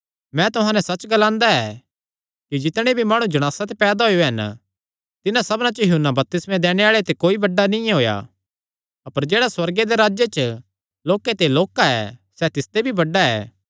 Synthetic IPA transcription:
mɛ̃t̪ʊɦãːnɛsɐt͡ʃɡɐlãːnd̪aɛː | kid͡ʒɪt̪ɽ̃ebʱimaːɽ̃ũd͡ʒɐɽ̃aːsat̪epɛːd̪aɦojoɦɛn | t̪ɪnãsɐbnãt͡ʃɐjɐɦʊnːabɐp̚t̪ɪsmẽd̪ɛːɽ̃eaːɭet̪ekoːibɐɖːanɪ̃jãɦoːja̰ | ɐpəɾd͡ʒeːɽaswɐɾɡed̪eɾaːd͡ʒjet͡ʃə | loːket̪eloːkaɛ̰sɛt̪ɪst̪ebʱibɐɖːaɛ̰ː

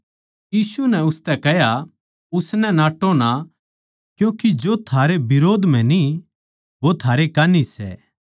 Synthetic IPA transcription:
jiːsunɛʊst̪ɛkɛɦja | ʊsnɛnaːʈona | kjũːkid͡ʒot̪ʰaːɾebɪɾoːd̪m̤ɛ̃ni | ʋot̪ʰaːɾekanisɛ̰ː

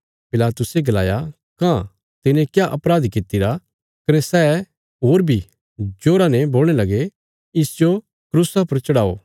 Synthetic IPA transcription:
pɪlaːt̪ʊseɡɐla̰ːja | kã | t̪ɪnẽkjaʔɐpɾaːd̪kɪt̪ɪɾa | kɐnɛsɛː | ɦoːɾbʱi | d͡ʒoːɾãnɛboːl̃elɐɡe | ɪsd͡ʒo | kɾuːsapɐɾt͡ʃɐɽaːo̰ː

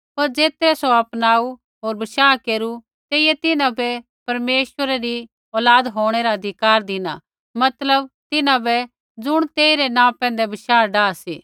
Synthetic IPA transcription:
pɐɾd͡zeːt̪ɾɛsoɐpnaːu | ɦoːɾbɐʃaːkeːɾu | t̪eːijɛt̪ɪnãbɛ | pɐɾmeːʃəɾaɾi | ɔːlaːd̪ɦoːɽ̃ɛɾaɐd̪ʱɪkaːɾd̪ɪna | mɐt̪ləb̚t̪ɪnãbɛ | d͡zʊɽ̃t̪eːiɾɛnãːpɛ̃ːnd̪ɛbɐʃaːɖaːsḭː

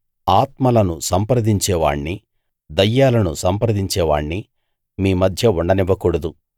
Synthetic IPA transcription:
aːt̪mɐlɐnusɐmpɾɐd̪iɲt͡ʃɛːʋa̰ːɳni | d̪ɐjːaːlɐnusɐmpɾɐd̪iɲt͡ʃɛːʋa̰ːɳni | miːmɐd̪ʱjɐuɳɖɐniʋːɐkuːɽɐd̪u

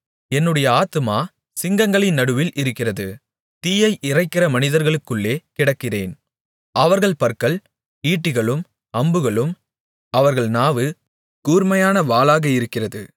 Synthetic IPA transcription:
ɛnːɯɽɐjɐaːt̪ɯmaː | sɪŋɡɐŋɡɐɭɪnːɐɽɯʋɪlʔɪɾɯkːɪrɐðɯ | t̪iːjɐɪʔɪrɐɪkːɪrɐmɐnɪðɐɾɣɐɭɯkːɯɭːeːkɪɽɐkːɪrḛːn | ʔɐʋɐɾɣɐɭpɐɾkɐɭ | iːʈːɯɣɐɭɯm | ɐmbɯɣɐɭɯm | ɐʋɐɾɣɐɭnaːʋɯ | kuːɾmɐjaːnɐʋaːlaːɣɐɪɾɯkːɪrɐðɯ̰

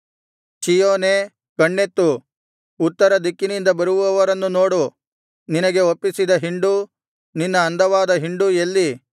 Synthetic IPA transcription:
t͡ʃijoːneː | kɐɳːet̪ːu | ut̪ːɐɾɐd̪ikːinind̪ɐbɐɾuʋuʋɐʋɐɾɐnːuno̞ːɽu | ninɐɡe̞opːisid̪ɐɦiɳɖu | ninːɐːnd̪ʱɐʋaːd̪ɐɦiɳɖuelːi

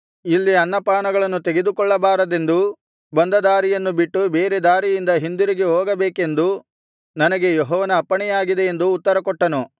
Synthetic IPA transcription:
ilːiɐnːɐpaːnɐɡɐɭɐnːut̪e̞ɡe̞d̪ukɔɭːɐbaːɾɐd̪e̞nd̪u | bɐnd̪ɐd̪aːɾijɐnːubiʈːube̞ːɾed̪aːɾijind̪ɐɦind̪iɾiɡeɦoːɡɐbeːke̞nd̪u | nɐnɐɡe̞jɔɦɔːʋɐnɐːpːɐɳɛjaːɡid̪e̞ːnd̪uːt̪ːɐɾɐkɔʈːɐnu

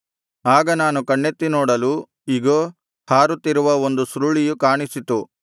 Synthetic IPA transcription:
aːɡɐnaːnukɐɳːet̪ːinɔːɽɐlu | iɡoː | haːɾut̪ːiɾuʋɐo̞nd̪usɾuɭijukaːɳisit̪u

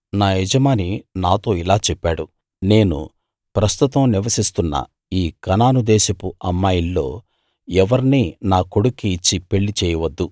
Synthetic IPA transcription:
naːɛd͡ʒɐmaːninaːt̪o̞ːilaːt͡ʃɛpːaːɽu | ne̞ːnṵ | pɾɐst̪ut̪ɐmniʋɐsist̪unːɐ̰ | iːkɐnaːnud̪ɛːʃɐpuɐmːaːjilːo̞ː | ɛʋɐɾninaːko̞ɽukːiːt͡ʃːipe̞ɭːit͡ʃɛːjɐʋɐd̪ːu

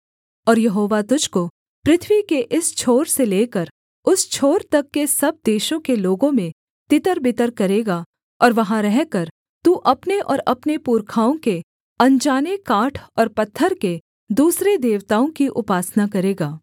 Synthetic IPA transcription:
ɔːɾjɐɦoːʋat̪ʊd͡ʒʱko | pɾɪt̪ʰʋikeʔɪst͡ʃʰoːɾseleːkəɾ | ʊst͡ʃʰoːɾt̪ɐkːesɐb̚d̪eːʃõkeloːɡõmẽ | t̪ɪt̪əɾbɪt̪əɾkɐɾeːɡaː | ɔːɾʋɐɦãɾɛɦkəɾ | t̪uːʔɐpneʔɔ̰ːɾɐpnepuːɾkʰaːõke | ɐ̃ɲd͡ʒaːnekaːʈʰɔːɾpɐt̪ʰːəɾke | d̪uːsɾed̪eːʋt̪aːõkiʔʊpaːsnakɐɾeːɡaː

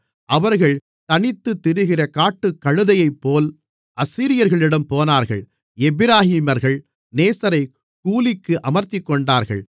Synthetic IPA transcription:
ʔɐʋɐɾɣɐɭ | t̪ɐɳɪt̪ːɯt̪ːɪɾɯɣɪrɐkaːʈːɯkːɐɻɯðɐjɐɪpːoːl | ʔɐsiːɾɪjɐɾɣɐɭɪɽɐmpoːnaːɾɣɐ̰ɭ | ɛbɪɾaːhiːmɐɾɣɐɭ | neːsɐɾɐɪ | kuːlɪkːɯʔɐmɐɾt̪ɪkːɔɳɖaːɾɣɐ̰ɭ

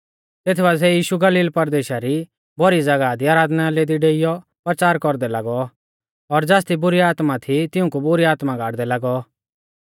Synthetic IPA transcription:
t̪eːt̪ʰbas̬ɛjiːʃuɡɐliːlpɐɾd̪eːʃaɾi | bɔɾid͡zɐɡad̪iaːɾaːd̪naleːd̪iɖeːɪjɔ | pɾət͡ʃaːɾkɔɾd̪ɛlaɡɔ | ɔɾd͡zaːs̬t̪ibʊɾiaːt̪mat̪ʰit̪ɪʊ̃kubʊɾiaːt̪mãɡʱaːɽd̪ɛlaɡɔ

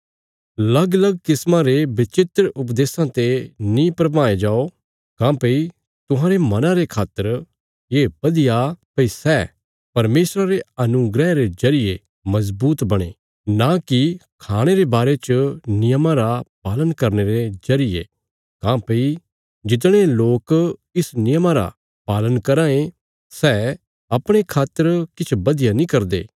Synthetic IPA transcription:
lɐɡlɐɡ̚kɪsmãɾebɪt͡ʃɪt̪ɾʊp̬d̪eːsãt̪enĩpɾɐpaːed͡ʒaːo | kãpei | t̪ʊɦãːɾemɐnãɾekʰaːt̪ːəɾ | jeːpɐd̪ɪjapɐisɛː | pɐɾmeːsɾaɾeɐnʊɡɾɛɾezɐɾɪje | mɐzbuːt̪bɐɽ̃e | nakikʰaːɽ̃eɾebaːɾet͡ʃənɪjəmãɾapaːlənkɐɾneɾezɐɾɪjḛ | kãːpɐi | d͡ʒɪt̪̬ɽ̃eloːkɪsnɪjəmãɾa̰ | paːlənkɐɾãːẽ | sɛː | ɐpɽ̃ekʰaːt̪ːəɾkɪt͡ʃʰbɐd̪ɪjanĩkɐɾd̪ḛː

